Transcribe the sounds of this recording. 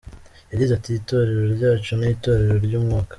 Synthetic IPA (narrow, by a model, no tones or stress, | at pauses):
jadizatito̞ɾe̞ɾo̞ɾɟaːt͡ʃunito̞ːɾe̞ɾo̞ɾɟuːmŋaːkḁ